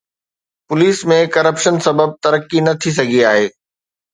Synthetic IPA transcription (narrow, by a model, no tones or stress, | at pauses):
pʊliːsmẽkɐɾəpʃənsɐbəb̚t̪ɐɾəkːinɐt̪ʰis̬ɐɡʱiaːɦeː